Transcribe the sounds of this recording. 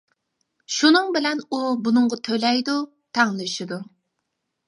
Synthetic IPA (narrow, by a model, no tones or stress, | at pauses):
ʃunɨŋbɪlɛnubunɨŋʁɑt̪ʰølɛjd̪u | t̪ʰæŋlˠʃid̪u